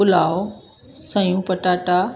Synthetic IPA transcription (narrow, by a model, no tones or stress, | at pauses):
ʊlaːo | sɐ̃jũpɐʈaːʈa